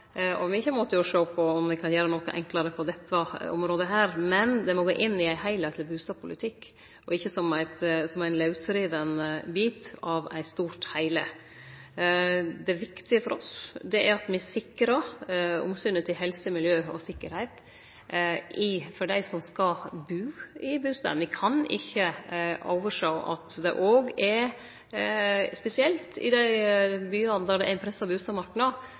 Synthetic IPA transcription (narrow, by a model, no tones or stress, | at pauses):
ʔɔʋɪɪçːəmɔt̪ːəjʊʂoːpʰːɔɔmʋɪkʰɑnjøːɾənɔkːəʔɛ̰ŋkləɾəpʰɔd̪ɛt̪ʰːɑɔ̰mɾoːd̪əɦæːɾmɛnd̪ɛmɔɡoːʔɪnːɪæɪhæɪlæɪt̪lɪbʉːst̪ɑːb̚pʰʊlɪt̪ʰɪkː | ɔɪçːəsɔmæɪt̪sɔmæɪnlɑʉsɾiːʋənbiːt̪ɑʋæ̰ɪst̪uːɾʈhæɪlə | d̪ɛʋɪkt̪ɪəfɔɾɔsd̪ɛʔæɾɑt̪mɪsɪkːɾɑʊ̰msʏnət̪ʰɪlɦɛlsəmɪljøːɔsɪkːəɾhæɪt̪ | ɪfɔɖæɪsɔmskɑbʉːɪbʉːst̪ɑ̰ːənʋɪkʰɑnɪ̰çːəʔo̰ːʋəʂɑʔɑ̰t̪d̪ɛ̰ʔoːɡɛɾ | spɛsɪɛlt̪ɪ̰d̪æɪbyːɑnəd̪ɑɖ̪ɛʔæɪnpʰɾɛsːɑbʉːst̪ɑmɑɾʈnɑ